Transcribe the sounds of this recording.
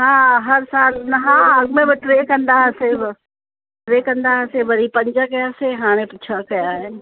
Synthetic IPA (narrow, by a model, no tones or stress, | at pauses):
ɦãːɦɐɾsaːlnɐɦãːɐɡmẽbɪʈɾeːkɐ̃nd̪aɦseb | ʈɾeːkɐ̃nd̪aɦsebɐɾipɐɲd͡ʒakɐjaseɦãːɽ̃ẽpɪt͡ʃʰakɐjaɦen